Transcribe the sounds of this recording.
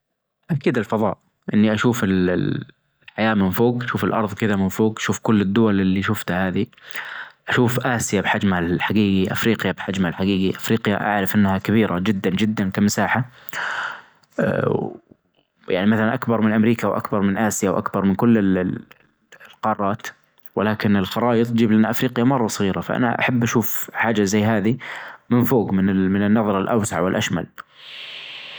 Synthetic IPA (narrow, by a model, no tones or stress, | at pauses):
ʔakiːd̪ɪlfɑðˤɑ̰ːʔ | ʔɪnːiʔaʃuːfɪl | ʕajaːmɪnfoːɡʔaʃuːfɪlʔɑ̰ɾˤðˤkɪðamɪnfoːɡʔaʃuːfkʊlːɪd̪ːʊwalɪlːiʃʊft̪haːði | ʔaʃuːfʔaːsɪjabħad͡ʒmaalħaɡiːɡiʔa̰fɾiːqjabħad͡ʒmalħaɡiːɡiʔafɾiːqja̰ʔa̰ʕɾɪfʔɪnːhakabiːɾad͡ʒɪd̪ːand͡ʒɪd̪ːankamasaːħa | ja̰ʕnimaθalanʔakbɑɾˤmɪnʔamɾiːkawʔa̰kbɑɾˤmɪnʔaːsɪjawʔa̰kbɑɾˤmɪnkʊlːɪ | lqɑːrˤːɑːt̪ | wɪlaːkɪnɪlxɑɾˤɑːʔɨt̪ˤd͡ʒiːblʔanːaʔafɾiːqjamɑrˤːɑsˤɑɣiːɾafa̰ʔa̰na̰ʔa̰ħabːʔaʃuːfħaːd͡ʒazajːɦaːðimɪnfoːɡmɪnɪmɪnɪnːɑðˤɾˤɑlʔa̰wsaʕwɪlʔaʃma̰l